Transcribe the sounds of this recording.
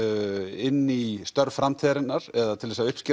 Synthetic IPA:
ɪnːist̪œɾvfɾamt̪ʰɛːɾɪnːaɾɛðat̪ʰɪlvɛsaʏhpscɪ

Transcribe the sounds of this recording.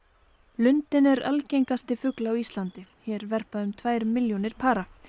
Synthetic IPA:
lʏnt̪ɪnɛɾalcejŋkast̪ɪfʏklaawist̪lant̪ɪçɛːɾvɛr̥paðʏmt̪ʰvaːjɾmɪljɔnɪɾ̥pʰaːɾa

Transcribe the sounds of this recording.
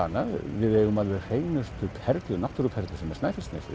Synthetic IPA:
anːaðvɪðɛɣʏmaðvɪr̥eːjnʏst̪ʏphɛɾt̪lʏnaht̪ʏɾʏphɛɾt̪lʏsɛmɛɾ̥snaːjfɪlst̪nɪ̰sɪ̰

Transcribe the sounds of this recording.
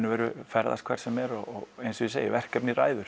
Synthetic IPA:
nʏvɛːɾʏfɛɾða̰skʰvɛɾ̥sɛmɛɾɔɔɣejnsʏisḛjɪvɛr̥kɛpnira̰ːjðʏɾ̥

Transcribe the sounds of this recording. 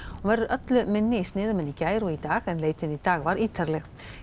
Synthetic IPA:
ɔvɛɾðʏɾʔœt̪lʏmɪnːɪist̪nɪːðʏmɪnːicaːjɾuit̪aːɣɛnleːjt̪ɪnit̪aːɣvaɾiːt̪ʰaɾlɛx

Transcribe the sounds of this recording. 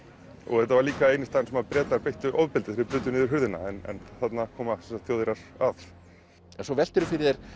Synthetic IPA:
ɔ̰ɣθɛht̪ːavaɾliːkaeːjnɪst̪ansɛmapɾɛːt̪laɾpejht̪ʏʔɔvpɪlt̪ɪθɪɾɪpɾʏːt̪ːʏnɪːðʏɾ̥ɦʏɾðɪna̰ɛnɛ̰nθat̪nakʰɔːmaaksɛsḁt̪θjoːðɪɾaɾ̥av | ɛnsɔvɛl̥t̪ɪɾʏfɪɾɪðeɾ̥

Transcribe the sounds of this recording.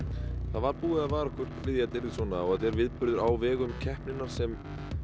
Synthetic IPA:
θaðvaɾpuːɪðaðvaːɾahkʏr̥t̪vɪðjat̪ɪɾɪsɔːnaɔɣat̪ɛɾvɪðpʏɾðʏɾawvɛːɣʏmcʰɛhpnɪnːaɾ̥sɛm

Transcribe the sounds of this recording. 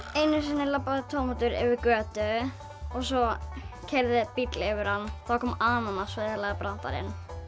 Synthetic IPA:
ejnɪs̬ɪnːɪlapːaðɪt̪ʰɔːmɔt̪ʏɾɪ̰vɪɾkœːt̪ʏ | ɔɣsɔcʰɛɾðɪpit̪lɪɛvɪɾ̥hanːθakʰɔːmaːnanːasvɪðɪlaːɣapɾan̥t̪a̰ɾɪ̰n

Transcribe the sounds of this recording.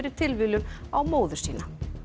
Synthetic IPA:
ɾɪ̥t̪ʰɪlvɪlʏnawmoːwðʏ̥siːna

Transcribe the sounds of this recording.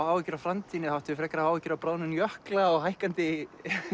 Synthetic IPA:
aːwɛcʏɾafɾamt̪ʰiːnɪθhawht̪ɪvɪfɾɛkɾawaːwɪcʏɾawpɾaːwnʏnjœhklaɔɣhajhkant̪ɪ

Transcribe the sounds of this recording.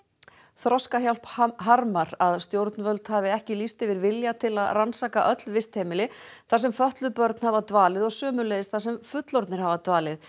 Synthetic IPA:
θɾɔskaçjal̥pɦaɾmaɾaðst̪jowɾt̪nvœlt̪havɪɛhcɪlist̪ɪvɪɾvɪljat̪ʰɪlaðransaːka̰ʔœt̪lvɪst̪hejmɪlɪθaɾ̥sɛmfœht̪lʏpœɾt̪n̥havat̪vaːlɪðɔɣsœːmʏlejðɪsθasɛmfʏt̪lɔɾt̪nɪɾ̥havat̪vaːlɪð

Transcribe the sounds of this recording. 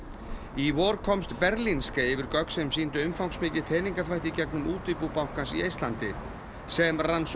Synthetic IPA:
ivɔːɾkʰɔmst̪pɛɾlinskaɪvɪɾkœksɛmsiːnt̪ʏʏmfawŋksmɪːcɪðpʰɛːniŋkaθvajht̪icɛknʏmuːt̪ɪpuːpaw̥kansḭejst̪lant̪ɪ | sɛmrans

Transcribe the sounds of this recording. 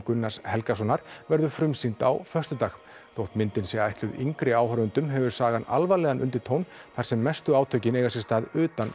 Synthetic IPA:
kʏnːḁshɛlkasɔnaɾ̥vɛɾðʏfɾʏmsint̪a̰wfœr̥t̪ʏt̪ax | θowht̪mɪnt̪ɪnsjɛɣaajht̪lʏðiŋkɾɪaːwhœɾʏnt̪ʏmɦɛvʏ̥saːɣana̰lvalɛːɣanʔʏ̰nt̪ɪɾ̥t̪ʰoːwnθaɾ̥sɛmːɛst̪ʏaːwt̪ʰœɥcɪnejɣasjɛst̪aːðʏːt̪an

